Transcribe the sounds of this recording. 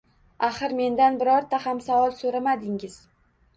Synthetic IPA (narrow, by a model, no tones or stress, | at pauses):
aχɨɾme̞nd̪anbɪɾɒɾt̪ʰahamsavɒlˠsoɾamad̪ɪŋɪz̥